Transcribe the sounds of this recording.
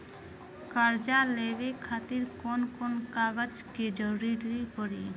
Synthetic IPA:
kaɾd͡ʒalebekʰat̪iɾkonkonkaɡad͡ʒked͡ʒɔɾiɾipɔɾi

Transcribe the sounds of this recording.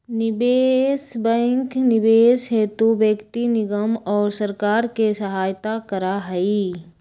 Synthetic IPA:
nɪbeːsbɛ̃ŋknɪbeːsɦeːt̪ubjəkt̪inɪɡəmɔːɾsəɾkaːɾkesɐɦaːjt̪akəɾaɦɐi

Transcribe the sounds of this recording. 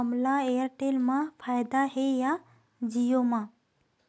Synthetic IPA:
əmlaejəɾʈeːlmãpʰaːjd̪aɦeja | d͡ʒijomã

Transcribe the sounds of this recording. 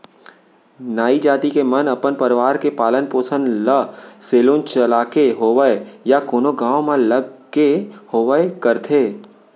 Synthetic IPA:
naːid͡ʒaːt̪ikemənɐpənpəɾɪʋaːɾkepaːlənpoːsə̃nləseːlũnt͡ʃəlaːkeɦoːʋəejakoːnoɡãːomãləɡ | ehoːʋəekəɾt̪ʰeː

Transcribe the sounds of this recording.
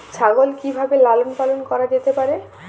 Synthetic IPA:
t͡ɕʰaɡolkibʱabelalonpalonkɔɾad͡ʑet̪epaɾe

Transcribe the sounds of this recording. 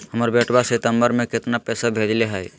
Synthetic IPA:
ɦəməɾbeːʈʰbasɪt̪ə̃mbəɾmẽkɪt̪napɛːsabʱeːd͡ʒleɦɛɛ

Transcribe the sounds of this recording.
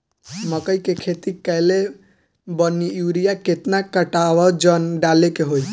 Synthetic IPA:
məkəjkekʰet̪ikəjle | bəniuɾijaket̪nakəʈawɔd͡ʒənɖalekeɦoj

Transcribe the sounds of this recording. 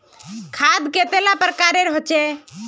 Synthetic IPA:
kʰad̪ket̪elapɾkaɾeɾɦot͡ʃe

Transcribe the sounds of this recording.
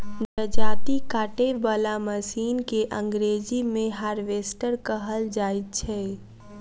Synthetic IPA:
dəd͡ʒaːt̪ikaːʈebəlaməsiːnkeʔə̃ŋɡɾeːd͡ʒimẽɦaːɾʋesʈəɾkəɦəld͡ʒaːit̪̚t͡ʃʰɛ

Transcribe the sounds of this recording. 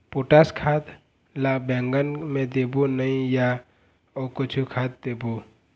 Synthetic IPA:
puʈaːskʰaːt̪ | labɛ̃ːŋɡənmẽd̪eːbunəĩja | okʊt͡ʃʰukʰaːt̪̚d̪eːbu

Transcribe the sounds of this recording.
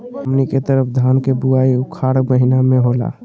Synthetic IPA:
əmniket̪əɾəpʰd̪ʱankebuaiʊkʰaɽməɦinamẽɦola̰

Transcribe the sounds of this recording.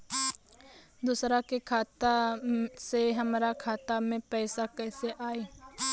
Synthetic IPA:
d̪uːsɾakekʰaːt̪aseɦəmɾakʰaːt̪amẽpɛːsakɛːseʔaːeː

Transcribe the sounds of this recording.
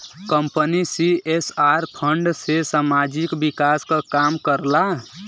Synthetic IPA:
kəmpənisiesaɾpʰəɳɖsesamad͡ʒikbikaskəkamkəɾla

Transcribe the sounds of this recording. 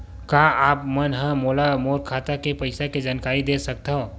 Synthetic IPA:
kaaːp̚mənɦə̃moːlamoːɾkʰaːt̪akepəɪsaked͡ʒaːnkaːɾid̪esək̚t̪ɦõ

